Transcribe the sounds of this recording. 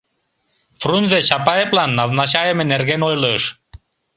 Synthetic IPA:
frunʲzeɕɑpɑjeplɑnːɑznɑɕɑjə̆menerɣenojlˠɯʃ

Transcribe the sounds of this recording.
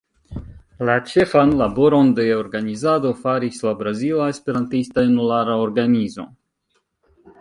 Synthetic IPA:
lat͡ʃe̞fanlabo̞ɾo̞nde̞oɾɡanizado̞faɾislabɾazilaespe̞ɾantistajunulaɾao̞ɾɡanizo̞̰

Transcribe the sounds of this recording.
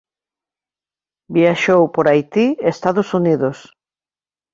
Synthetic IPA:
bjaʃowpoɾajt̪iest̪aðosuniðos

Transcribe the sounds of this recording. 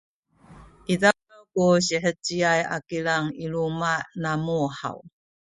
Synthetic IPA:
ʔiza | əkuɕiħət͡ɕiaja̰kilaŋilumanamuha̰w

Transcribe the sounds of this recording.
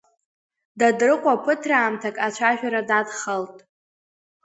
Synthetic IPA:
dadrɨqʷʼapʰɨtʰraːmtʰakʼat͡ʃʷʰaʒᶣʷaɾadadχəltʼ

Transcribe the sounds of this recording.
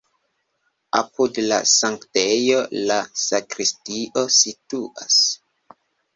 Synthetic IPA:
a̰pudla̰saŋktejo̞lasakɾistiʔo̞situʔa̰s

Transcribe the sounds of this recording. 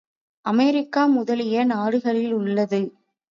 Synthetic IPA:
ʔɐmɛɾɪkːaːmʊðɐlɪjɐnaːɽɯɣɐɭɪlʊɭːɐðɯ

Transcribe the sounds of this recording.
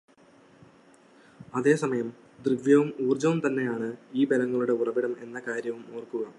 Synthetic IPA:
ɐðe̞ːsɐmɐjɐm | d̪rɨʋjɐʋumuːrd͡ʑɐʋumt̪ɐnːe̞jaːɳɨiːbelɐŋːɐɭuɽe̞urɐʋiɽɐme̞̰nːɐkaːɾjɐʋumoːrkːuɣɐ

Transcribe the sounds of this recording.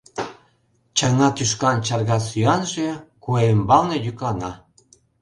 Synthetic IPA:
t͡ɕɑŋɑkyʃkɑnt͡ɕɑrɣɑsyɑnʒekuembɑlnɤ̆jyklɑnɑ

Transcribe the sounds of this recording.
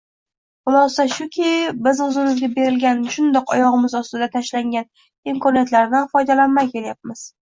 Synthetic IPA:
ʊmasaʃʊkʲʰɪbɪzʊzɪmɪzɡʲabe̞ɾɪlɡʲanʃʊnd̪ɒqɒjɒʁɨmɪzɒst̪ɪd̪at̪ʰaʃlaŋɡʲan | imkʰɒnijat̪laɾd̪anfɒjd̪alanmajkʲʰe̞ɾajap̚mɪz̥

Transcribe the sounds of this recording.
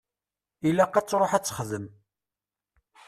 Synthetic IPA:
ilæqːæt͡sːɾˤoħæt͡sːə̥χðəm

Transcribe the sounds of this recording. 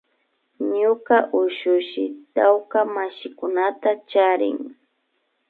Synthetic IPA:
ɲʊkaʔʊʃʊʃɪt̪awkamaʃɪkʊnat̪at͡ʃaɾɪ̰ŋ

